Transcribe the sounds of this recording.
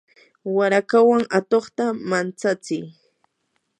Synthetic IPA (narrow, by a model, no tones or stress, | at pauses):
waɾakawaŋat̪oχt̪amant͡sat͡sɪj